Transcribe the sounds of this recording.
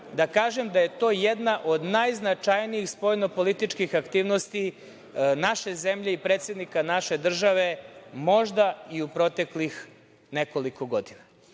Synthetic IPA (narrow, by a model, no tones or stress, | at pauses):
d̪akaːʒe̞md̪aje̞t̪o̞ːjed̪naʔo̞d̪najznat͡ʂajniixspojnopo̞lit̪it͡ʂkixakt̪iːʋno̞st̪i | naʃe̞zemʎe̞ipɾet̪sed̪nikanaʃe̞d̪r̩ʒaʋe̞mo̞ʒd̪aiupɾo̞t̪e̞klix | neko̞liko̞ɡo̞d̪ina